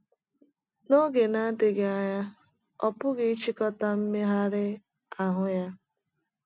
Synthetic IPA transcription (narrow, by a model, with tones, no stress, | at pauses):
no˦ɡe˨na˦dɪ˨ɡe˨a˦ɲa˦ | ɔ˨pʊ˦ɡe˦i˦t͡ʃi˦kɔ˦ta˦m̩˦me˦ɦa˦ɾɪ˦ | a˨ɦʊ˦ja˦